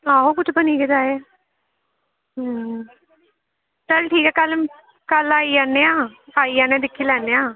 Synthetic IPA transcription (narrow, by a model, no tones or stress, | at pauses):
aːokʊt͡ʃʰbəniːkɪd̪aːe | ɦ | t͡ʃəlʈʰiːkɛːkəl | kəlaːiaːnːeːãːaːiːaːnẽːd̪ɪkʰːiːlɛːneːãː